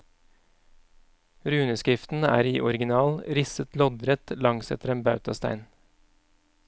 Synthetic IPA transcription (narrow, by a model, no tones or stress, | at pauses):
ɾʉːnəskɾɪft̪n̩æ̰ːɾiːʔɔɾɡɪnɑːlɾɪsət̪lɔd̪ɾɛt̪lɑŋsɛ̰t̪əɾeːmbɑʉt̪ɑst̪æ̰ɪn